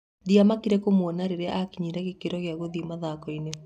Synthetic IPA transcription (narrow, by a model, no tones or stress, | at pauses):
ðiamakiɾɛkomwɔnaɾeɾeʔakiɲiɾɛɣekeɾɔɣeaɣoðiomaðakɔine